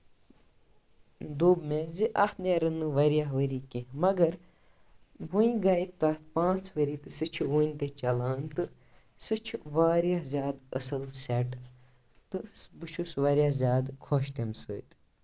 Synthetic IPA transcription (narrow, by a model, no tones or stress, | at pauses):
d̪oːbmẽziʔɐht̪neɾɨnɨʋɐɾijaɦʋəɾiːkemɐɡɐɾ | ʋuĩɡait̪̚t̪ːaːt̪ʰpãːt͡sʰʋəɾiːt̪ɨsɨt͡ʃʰuʋuːnʲt̪et͡ʃɐlaːnt̪ɨ | sɨt͡ʃʰiʋaːɾjaɦzʲjaːd̪ə̰sɨlsɛʈ | t̪ɨbɨʃʰusʋɐɾjazʲjaːd̪kʰoʃt̪emsɨ̰ːt̪